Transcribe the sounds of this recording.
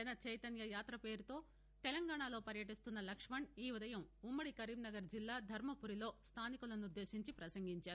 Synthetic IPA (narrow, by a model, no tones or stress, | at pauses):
ɐnɐt͡ʃɐjt̪ɐnjɐjaːt̪ɾɐpe̞ːɾut̪o̞ː | t̪ɛlɐŋɡaːɳaːlo̞ːpɐɾjɐʈist̪unːɐlɐkʂmɐɳiːud̪ɐjɐmumːɐɽikɐɾiːbnɐɡɐɾd͡ʒilːaːd̪ʱɐɾmɐpuɾilo̞ːst̪ʰaːnikulɐnud̪ːe̞ːsiɲt͡ʃipɾɐsɐŋɡiɲt͡ʃaːɾu